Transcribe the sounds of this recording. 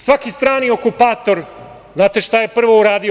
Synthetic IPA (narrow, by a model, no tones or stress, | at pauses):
sʋakist̪ɾaːnio̞kupaːt̪o̞ɾ | znaːt̪e̞ʃt̪aje̞pr̩ʋouɾaːd̪i